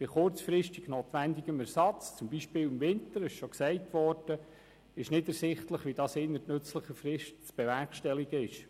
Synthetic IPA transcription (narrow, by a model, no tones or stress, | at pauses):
b̥ɪχʊɾt͡sfɾɪʃtiɡ̥noːtʋændiɡəmɛɾsɑt͡st͡sʊmbiʃpɪːlwɪmvɪntəɾɪʃʃɔksɛɪtʋɔrd̥ə | ɪʃnɪdɛɾsɪχtləχʋidɑːsɪnːətnɵt͡sləχəfɾɪʃtt͡sb̥ɛʋɛɾkʃtɛliɡəɪʃ